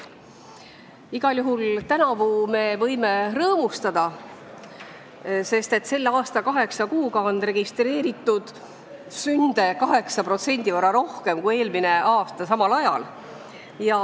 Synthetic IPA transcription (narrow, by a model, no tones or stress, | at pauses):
iɡ̥ɑljuɦult̪ænɑvume̞vɤ̞jme̞rɤːmust̪ɑd̪̥ɑ | se̞st̪e̞t̪ːse̞lːeɑːst̪ɑkɑɦe̞ksɑkuːɡɑo̞nre̞ɡ̥ist̪re̞ːɾit̪ːˑud̪̥ | synd̪̥e̞kɑɦe̞ksɑpro̞t̪se̞nʲd̪ivɑrːɑɾo̞hke̞mkuje̞ːlmine̞ɑːst̪ɑsɑmɑlɑjɑ̰l | jɑ